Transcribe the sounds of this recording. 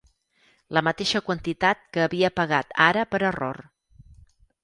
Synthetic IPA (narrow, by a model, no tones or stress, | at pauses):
ləmət̪eʃəkwənt̪it̪at̪̚kəːβiəpəɣ̞at̪aɾəpəɾəro̰r